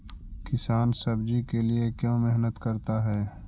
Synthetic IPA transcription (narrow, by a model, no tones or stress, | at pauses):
kɪsaːnsɐbd͡ʒikeliekjõːmɛɦnət̪kɐɾt̪aɦɛː